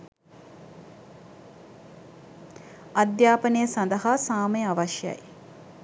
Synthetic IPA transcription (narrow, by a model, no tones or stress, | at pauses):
ɐd̪jaːpənejəsand̪əɦaːsaːməjəaʋaʃja̰j